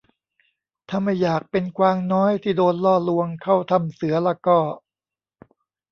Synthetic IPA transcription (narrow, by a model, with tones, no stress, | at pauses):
t̪ʰaː˧˩ma˥˩jːaː˨˩k̚pe˧nkwaː˧ŋnɔː˦˥jt̪ʰiː˥˩doː˧nlɔː˥˩lu˧əŋkʰa˥˩wt̪ʰa˧˩msɯ˩˦ɐlɛː˧˥˩kɔː˥˩